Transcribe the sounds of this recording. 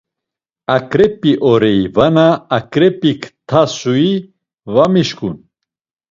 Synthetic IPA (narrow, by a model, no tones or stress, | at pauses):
akʼɾɛpʼːiʔɔɾɛivanaːkʼɾɛpʼikʰt̪ʰasui | vamiʃkʼun